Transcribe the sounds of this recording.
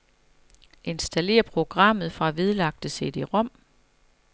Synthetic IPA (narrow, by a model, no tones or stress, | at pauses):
ʔe̝nsd̥æle̝̰ːɐpʰʁo̝ɡ̥ʁɑ̈m̰ð̞̩ˠfʁɑ̈ʋe̝ð̞ˠlɑ̈ɡ̥̚d̥əse̝d̥e̝ʁɒ̽m̰